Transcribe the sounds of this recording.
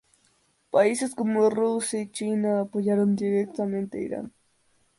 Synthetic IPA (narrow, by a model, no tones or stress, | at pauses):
paiseskomorusjait͡ʃinaːpojaɾond̪iɾek̚t̪ament̪eḭɾa̰ŋ